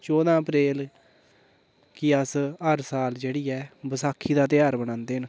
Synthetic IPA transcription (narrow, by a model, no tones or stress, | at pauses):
t͡ʃɔːd̪ãːəpɾeːl | kɪəsəɾsaːld͡ʒeːɽiːɛːbəsaːkʰːiːd̪aːt̪ɪjaːɾbəɽ̃ãːnd̪eːn